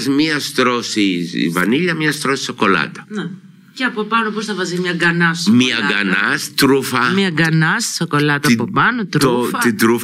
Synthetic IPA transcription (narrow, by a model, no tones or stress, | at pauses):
zmiɐst̪ɾosisḭvɐ̰niʎɐmɲɐst̪ɾosi̥soko̞lɐ̰t̪ɐ̥ne | ceɐpopɐnoposθɐvɐzizmɲɐɡɐnɐmɐɡɐnɐst̪ɾufɐmɲɐɡɐnɐssoko̞lɐt̪ɐpopɐnot̪ɾuɐid̪ɾuf